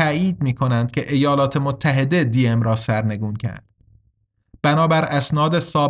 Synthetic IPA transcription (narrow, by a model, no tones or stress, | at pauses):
æiːd̪̚miːkʰo̞nænd̪̥̚kʲʰe̞ʔejɒːlɒːt̪ʰe̞mot̪ʰːæɦe̞d̪ed̪iːemɾɒːsæɾne̞ɡuːncʰæ̰ɾd̪̥ | b̥ænɒːbæɾæsnɒːd̪esɒːb